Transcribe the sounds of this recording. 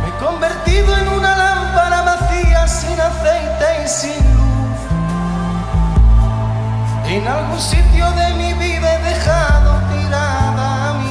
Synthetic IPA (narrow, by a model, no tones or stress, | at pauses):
eko̞mbe̞ɾt̪iðoe̞nunalampaɾaβaθiasinaθejt̪eisinluθ | enalɣunsit̪joðe̞miβiðaaeðe̞xaðo̞t̪iɾaðaːmi